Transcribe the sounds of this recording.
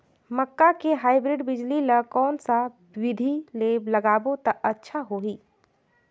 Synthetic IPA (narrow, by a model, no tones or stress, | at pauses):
məkːakeɦaːɪbɾɪɖbɪd͡ʒlilɐkɔːnsa | wɪd̪ʱileːblɐɡaːbõt̪ɐʔɐtːʃʰaɦoːɦiː